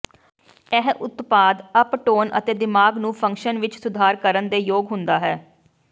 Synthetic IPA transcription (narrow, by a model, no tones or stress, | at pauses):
ɛɦʔʊt̪paːd̪əpʈoːnə̰t̪eːd̪ɪmaːɡnũːpʰə̃ŋkʃənʋɪt͡ʃsʊd̪ʱaːɾkəɾənd̪eːjoːɡɦʊnd̪aːɦɛː